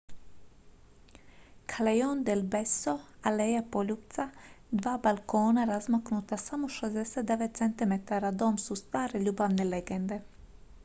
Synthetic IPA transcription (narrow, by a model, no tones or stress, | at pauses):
kʰalejond̪ɛlbesoalejapoʎupt̪sad̪ʋaːbalkoːnaɾazmaknut̪asamoʃezd̪ɛset̪̚d̪eʋet̪t̪sent̪imet̪aɾad̪omsust̪ʋaːɾeʎuːbaʋneleɡend̪e